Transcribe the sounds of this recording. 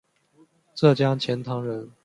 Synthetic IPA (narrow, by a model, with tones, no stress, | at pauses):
ʈ͡ʂɤ˥˨t͡ɕja˥˦t͡ɕʰjɛ˨˥nt̪ʰɑ˨˥˦ŋɻə˨˦n